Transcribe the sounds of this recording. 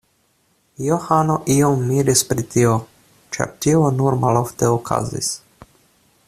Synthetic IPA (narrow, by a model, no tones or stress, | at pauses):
johano̞ʔio̞mːiɾispɾitio | t͡ʃa̰ɾtio̞nuɾmalo̞fteokʰa̰zḭs